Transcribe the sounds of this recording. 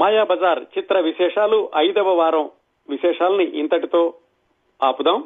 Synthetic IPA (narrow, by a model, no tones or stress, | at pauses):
maːjaːbɐd͡ʒaːɾt͡ʃit̪ɾɐʋiʃɛːʂaːluʔɐjd̪ɐʋɐʋaːɾɐ̃m | ʋiʃɛːʂaːlɐniʔint̪ɐʈit̪oː | aːpud̪aːm